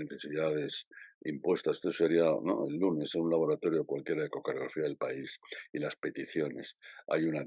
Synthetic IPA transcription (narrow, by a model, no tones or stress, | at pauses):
eθe̞siðað̞e̞simpwe̞st̪ase̥t̪oseɾiano̰ḛlːune̞senunlaβ̞o̞ɾat̪o̞ɾjoekwalkje̞ɾaeko̞kaɾoɣɾafiaðe̞lpaisilaspe̞t̪iθjo̞ne̞̰sa̰juna